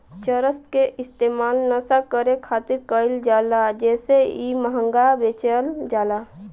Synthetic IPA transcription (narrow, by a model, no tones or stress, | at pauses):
t͡ʃəɾəst̪keʔɪst̪emaːlnəsakəɾekʰat̪iɾkəɪld͡ʒalad͡ʒɛːseiməɦəŋɡabet͡ʃəld͡ʒaːla